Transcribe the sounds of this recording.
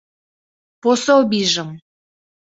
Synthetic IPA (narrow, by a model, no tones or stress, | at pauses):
posowbiʒəm